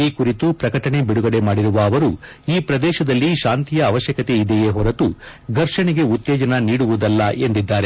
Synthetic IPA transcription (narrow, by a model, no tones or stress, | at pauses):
ikuɾit̪upɾɐkɐʈɐɳe̞biɽuɡɐɽe̞maːɽiɾuʋɐːʋɐɾu | iːpɾɐd̪ɛːʃɐd̪ɐlːiʃaːnt̪ijɐːʋɐʃjɐkɐt̪e̞id̪ejeɦɔɾɐt̪uɡ̪ʱɐɾʂɐɳeɡe̞ut̪ːɛːd͡ʒɐnɐniːɽuʋud̪ɐlːɐʔe̞nd̪id̪ːaːɾe